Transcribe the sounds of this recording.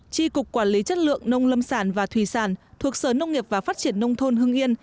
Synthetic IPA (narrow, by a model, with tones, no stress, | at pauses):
t͡ɕi˧kʊ˨˩k͡p̚kwaː˧˩nli˨˦t͡ɕə˦˥t̚lɨ̰˧˨əŋnə˧wŋ͡mlə˧msaː˧˩nvaː˨˩t̪ʰwi˧˩saː˧˩nt̪ʰu˨˩ək̚səː˧˩nə˧wŋ͡mŋi˨˩əp̚vaː˨˩faː˦˥t̚t͡ɕi˧˩ənːə˧wŋ͡mt̪ʰo˧nɦɨ˧əŋʔi˧ən